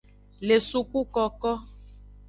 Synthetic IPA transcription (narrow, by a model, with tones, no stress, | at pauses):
le˨su˦ku˦kɔ˦kɔ˦